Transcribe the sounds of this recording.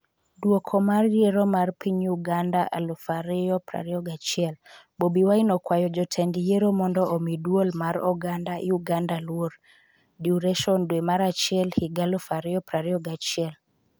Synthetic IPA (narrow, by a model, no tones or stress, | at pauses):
dwokʰɔmarjeɾomarpiɲuɡandaʔa̰lɔfaɾɪjɔpɾa̰ɾɪɔɡat͡ʃɪɛl | bobiwainɔkwajɔd͡ʒɔtʰɛndijeɾomɔndɔʔomidwolmaɾɔɡandaʔɪuɡandalwoɾ | diuɾɛʃɔndwemaɾat͡ʃɛlhiɡalɔfaɾɪɔpɾaɾɪɔɡat͡ʃɪɛl